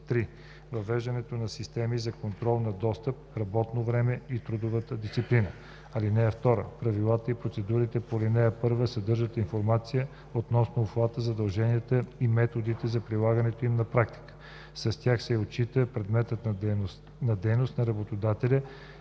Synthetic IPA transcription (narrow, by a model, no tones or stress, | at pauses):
t̪ɾi | vɐvɛʒd̪ɐnɛt̪onɐsist̪ɛmizɐkont̪ɾɔlˠnɐd̪ɔst̪əp̚ɾɐbɔt̪novɾɛmɛit̪ɾud̪ovət̪əd̪ist̪iplinə | ɐlinɛɛft̪ɔɾə̰pɾɐvilˠat̪əipɾot̪sɛd̪uɾit̪ɛpolinɛɐpɤɾvəsɐd̪ɤɾʒət̪infoɾmat̪sijə | ot̪nɔsnoːxlˠat̪əzɐd̪ɐlˠʒɛniət̪əimɛt̪od̪it̪ɛzɐpɾilˠaɡənɛt̪oimnɐpɾak̚t̪i̥kə̥ | sɐst̪ʲjaxsɛot͡ʃit̪əpɾɛd̪mɛt̪ət̪ns | nɐd̪ɛjnost̪nɐɾɐbot̪od̪at̪ɛlʲə